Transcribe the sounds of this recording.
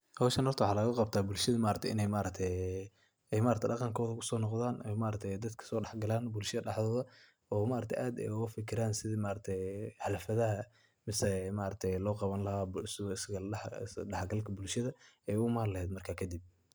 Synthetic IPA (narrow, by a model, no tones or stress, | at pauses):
hɔwʃɐnhɔrt̪ʰɐwʊħɑːlɐɣʊqɑbt̪ʰaːbʊlʃɐðɐmaːɾɐkt̪ʰɛɪnɛjmaːɾɐt̪ʰɛj | ɛjmaːɾɐkt̪ʰɛɖɑqɑŋkʰɔːðɐkʰʊsɔːnɔqðaːnʔɛmaːɾɐk̚t̪ʰɛjd̪ɐd̪kʰɐ̥sɔːɖɑħɡɐlaːnbʊlʃɐðɐɖɑħðɔːðɐ | ɔːmaːɾɐkt̪ʰɛ̰jʔaːd̪ɛ̰jʊɣɐfɪkʰɪɾaːnsɪðɐmaːɾɐt̪ʰɛjħɑlɐfɐðɐɦɐ | mɪsɛmaʔɾɐk̚t̪ʰɛjlɔːqɑβɐnlɐɦabsɪsɡɐɖɑħɡɐlkʰɐbʊlʃɐðɐɛjʊmaːlɐhɛːd̪mɐrkʰaːkʰɐd̪ib̚